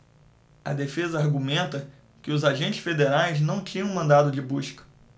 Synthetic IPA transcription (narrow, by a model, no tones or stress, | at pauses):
ɐ̰d̪efezɐaɾɡumẽnt̪ɐ | kɪʊzaʒẽnt͡ʃɪ̥sfed̪eɾajznɐ̃w̃t͡ʃĩɲɐ̃mɐ̃nd̪ad̪ʊd͡ʒɪbuʃkɐ̥